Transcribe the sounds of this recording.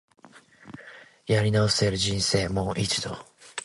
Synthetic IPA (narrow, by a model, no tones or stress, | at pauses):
jaɾʲinao̞si̥t̪e̞ɾɯ̟d͡ʑĩñse̞ːmo̞ːʔit͡si̥d̪o̞̰